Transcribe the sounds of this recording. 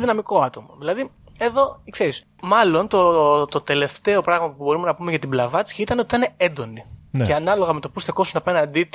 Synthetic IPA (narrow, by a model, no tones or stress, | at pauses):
ðinɐmiko̞ɐt̪o̞mɐðilɐði | e̞ðo̞kseɾis | mɐlo̞nt̪ot̪ot̪e̞le̞ft̪e̞o̞pɾɐɣmɐpubo̞ɾume̞nɐpumeʝɐt̪iblɐvɐt͡si̥çit̪ɐneot̪i̥t̪ɐne̞end̪o̞niceɐnɐlo̞ɣɐme̞t̪o̞pusθeko̞sunɐpe̞nɐnd̪i